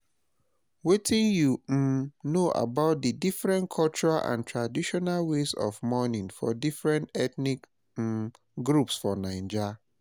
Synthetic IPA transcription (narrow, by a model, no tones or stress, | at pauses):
wetĩnjum̩noʔa̰baʊt̚didifɹɛ̃nkʰɔlt͡ʃuɹalʔã̰ntʰɹadiʃɔnalwezɔ̰vmɔnĩnfɔ̰difɹɛ̃ntɛtnik̩ | ɡɹupsfɔnãɪ̃nd͡ʒa